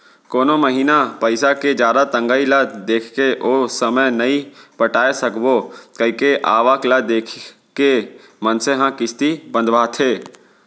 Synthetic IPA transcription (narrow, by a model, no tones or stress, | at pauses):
koːnoməɦiːnapəɪsaked͡ʒjaːd̪at̪ə̃ŋɡaːilad̪eːkʰkeʔoːsəməjnɐĩpəʈaːesəkbokɐkeʔaːʋaːklad̪eːkʰ | ke | mənseɦãkɪst̪ibə̃nd̪ʋaːt̪ʰeː